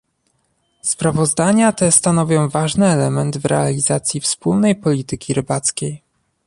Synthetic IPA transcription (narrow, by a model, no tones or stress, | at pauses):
spɾavɔzd̪aɲat̪ɛst̪anɔvʲjɔ̃w̃vaʐnɘɛlɛmɛnd̪vɾɛ̰alʲizat̪sʲjifspulnɛjpɔlʲit̪ɘkʲiɾɘbat̪skʲej